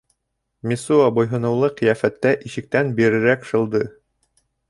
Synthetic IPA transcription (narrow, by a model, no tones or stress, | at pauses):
misuabŏjɦɤ̆nɤ̆wlˠɤqĭjæfæt̪ːæʔiʃɘ̆k̚t̪ænbiɾɘ̆ɾækʃɤ̆lˠd̪ɤ